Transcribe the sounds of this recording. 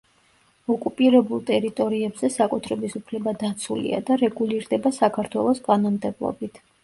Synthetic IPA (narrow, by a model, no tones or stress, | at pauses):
ɔkʼupʼiɾɛbulˠt̪ʼɛɾit̪ʼɔɾiɛbzɛsakʼut̪ʰɾɛbisupʰlɛbad̪at̪sʰulḭa̰d̪aɾɛɡuliɾd̪ɛbasakʰaɾt̪ʰwɛlˠɔsk̪ʼanɔmd̪ɛblˠɔ̰bit̪ʰ